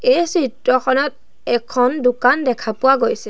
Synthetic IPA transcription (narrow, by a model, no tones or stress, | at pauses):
ejsitɹɔxɔnɔt̚ | ɛkʰɔndʊkandɛkʰapʊwaɡojsɛ